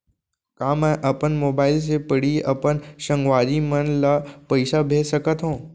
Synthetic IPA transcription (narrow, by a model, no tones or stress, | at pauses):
kãːmɛ̃ʔɐpənmoːbaːɪls̬epɐɽiʔɐpənʃə̃ŋɡʋaːɾimənlapɐɪsabʱeːsəkət̪ɦõː